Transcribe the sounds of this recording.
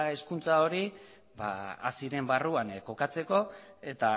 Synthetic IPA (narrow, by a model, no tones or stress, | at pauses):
e̞skunt͡sao̞ɾi | ba̰a̰siɾe̞mbaruanko̞kat͡se̞ko̞e̞t̪a